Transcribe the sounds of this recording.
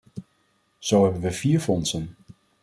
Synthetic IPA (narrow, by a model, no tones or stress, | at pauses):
z̥owɦɛbənʋəviːɹfɔnsən